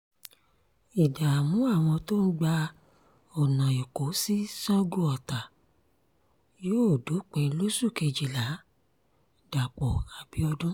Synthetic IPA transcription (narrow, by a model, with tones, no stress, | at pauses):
i˨da˨a˨mũ˨˦a˦˨w̃ɔ̃˧to˦n̩˦ɡ͡ba˧ | ɔ˨nã˨i˨ko˨˦si˦sɔ̃˦ɡu˦ɔ˨ta˨ | joː˦o˦˨do˨˦k͡pɛ˧˦lo˦su˦˨ke˧d͡ʒi˨la˨˦ | d̥a˨k͡pɔ˨a˨b̥i˨˦ɔ˧dũ˦